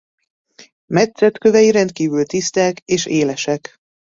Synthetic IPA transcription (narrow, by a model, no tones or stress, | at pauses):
mɛt̪sɛt̪kø̞vɛjiɾɛnt̪kiːvylt̪ist̪ɛːkeːʃeːlɛʃɛk